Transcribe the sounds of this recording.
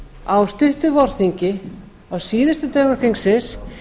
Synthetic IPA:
awst̪ʏht̪ʏvɔɾ̥θiɲcɪ | awsiːðɪst̪ʏt̪œːɣafiŋksɪns

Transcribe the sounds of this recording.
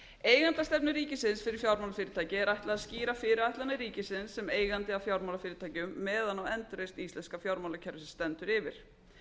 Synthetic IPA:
eːjɣant̪ast̪ɛpnɪɾiːcɪsɪnsfɪɾɪɾ̥fjawɾmawlafɪːɾɪt̪ʰaːcɪɛɾajht̪laaðsciːɾafɪɾɪɾajht̪lanːɪɾiːcɪsɪnsːɛmeːjɣant̪ɪafjawɾmalafɪːɾɪt̪ʰaːcʏmːɛːðanawɛnt̪ɾœjst̪ist̪ɛnskafjawɾmalacʰɛɾvɪsɪnst̪ɛnt̪ʏɾɪvɪɾ̥

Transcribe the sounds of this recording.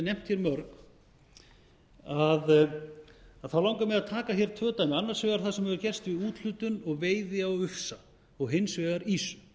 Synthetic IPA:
nɛm̥t̪çɛɾmœɾk | að | aðθawlawŋkamɛðaðt̪ʰaːkaçɛɾ̥t̪ʰœːt̪ajmɪanːaɾ̥svɛːɣaɾ̥θasɛmhɛvʏɾcɛr̥st̪vɪuːt̪l̥ʏːt̪ʏnɔɣveːjðɪawʏfsa | ɔɣɦɪnsvɛːɣaɾiːsʏ̥

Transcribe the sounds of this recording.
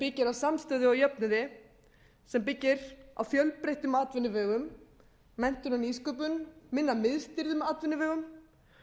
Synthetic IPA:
pɪcːɪɾawsamst̪œːðɪɔjœp̚nʏðɪ | sɛmpɪcːɪɾa̰wfjœlpɾejht̪ʏmaːt̪vɪnːɪvœːɣʏmː | ɛn̥t̪ʏnaniskœːp̬ʏnmɪnːamɪðst̪ɪɾðʏmaːt̪vɪnːɪvœːɣʏm

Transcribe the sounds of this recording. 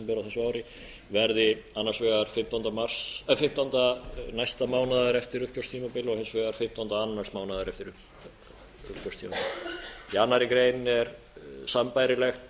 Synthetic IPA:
pɔɾaθɛsʏaːwɾɪ | vɛɾðɪanːaɾ̥rsvɛːɣaɾ̥fɪm̥t̪ant̪amarsɛfɪm̥t̪ant̪anajst̪amaːwnaðaɾɛft̪ɪɾʏhcœwst̪ʰiːmapɪlɔɣhejnsvɛːɣaɾ̥fɪm̥t̪awnt̪aanːar̥smaːwnaðaɾɛft̪ɪɾʏ | ʏhcœwst̪ʰiːmapɪljanːaɾɪkɾeːjnɛɾ | sampajɾɪlɛxt̪

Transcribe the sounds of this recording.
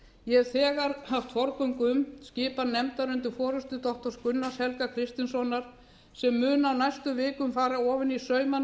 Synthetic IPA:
jɛθɛːɣaɾ̥haft̪fɔɾkœɥŋkʏmscɪːpannːɛmt̪aɾʏnt̪ɪfɔːɾʏst̪ʏt̪ɔht̪ɔskʏnːashɛlkakʰɾɪst̪ɪnsɔnaɾ̥ | sɛmːʏːnawnajst̪ʏmvɪːkʏmfaːɾaɔːvɪnisœːɥma

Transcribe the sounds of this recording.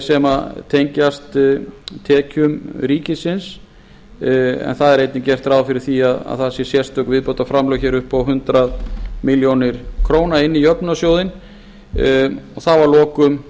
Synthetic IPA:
sɛmat̪ʰejɲcast̪t̪ʰːɛːcʏmɾiːcɪsɪns | ɛ̰nθaðɛɾejt̪nɪncɛr̥t̪ɾaːwfɪɾɪɾ̥θiaða̰ðθaðsjɛsjɛr̥st̪œkvɪðpowt̪afɾamlœwçɛɾʏhpawɦʏnt̪ɾaðmɪljownɪɾ̥kʰɾoːwnaɪnːijœpnasjoːwðɪn | ɔθavaɾlɔːkʏm

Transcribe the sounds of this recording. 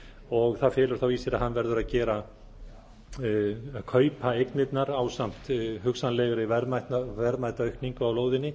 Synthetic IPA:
ɔɣθaðfɪːlʏɾ̥θawiːsɪɾaɦanːvɛɾðʏɾaðcɛːɾa | kʰœːɥpʰaejknɪt̪naɾaːwsam̥t̪ɦʏksanlɛːɣʏɾɪvɛɾmajt̪nvɛɾmajt̪aœɥhkniŋkʏawloːwðɪnːɪ

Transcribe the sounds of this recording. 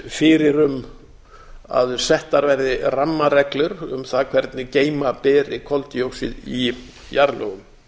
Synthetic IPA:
fɪɾɪɾʏm | a̰ðsɛht̪aɾvɛɾðɪramːarɛklʏɾʏ̰mθaðkʰvɛɾt̪nɪceːjmapɛːɾɪkʰɔlt̪ɪjowsɪ̰ði | jaɾlo̰ɣʏm

